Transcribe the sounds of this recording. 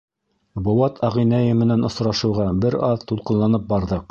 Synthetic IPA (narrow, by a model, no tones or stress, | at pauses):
bŏwɑt̪ʰɑʁĭnæjɘmɘ̆nænŏsɾɑʃɤ̆wʁɑbɘɾɑðt̪ulˠqɤ̆nlˠɑnɤp̚bɑɾðɤq̚